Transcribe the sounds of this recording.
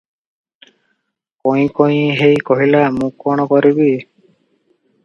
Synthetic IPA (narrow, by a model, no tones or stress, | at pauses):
koj̃kɔj̃ɦejkɔɦilamũkɔɽ̃ɔkɔɾibi